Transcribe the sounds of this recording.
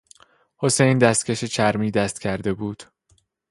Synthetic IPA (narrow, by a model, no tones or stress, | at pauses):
ho̞sejnd̪æst̪cʰʲeʃet͡ʃʰæɾmiːd̪æst̪cʰæɾd̪e̞buːd̪̥